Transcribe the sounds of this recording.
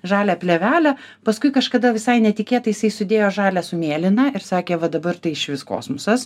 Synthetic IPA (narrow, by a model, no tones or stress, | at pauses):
ʒɑːlʲæːpʲlʲɛʋʲæːlʲɛ | pɐskʊɪkɐʃkɐd̪ɐʋʲɪsɐɪnʲɛt̪ʲɪkʲeːt̪ɐɪjɪsɐɪjsʊd̪ʲeːjoːʒɑːlʲæːsʊmʲeːlʲɪnɑɪɾsɑːkʲeːʋɐd̪ɐbɐrt̪ɐɪɪʃʲʋʲɪsko̰ːsmʊsɐs